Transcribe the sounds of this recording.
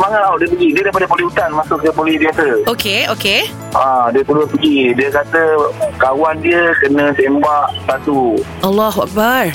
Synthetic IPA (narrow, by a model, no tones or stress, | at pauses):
maŋalauʔdiəp̬əɡidiəɾajpadapolihɦut̪anmasʊʔk̚kəpolihdiasəokeoke | ʔãdiət̪udʊt̚pəɡidiəkat̪əkawandiəkənə̃sembaʔbat̪u | ʔalːɔɦua̰k̚bar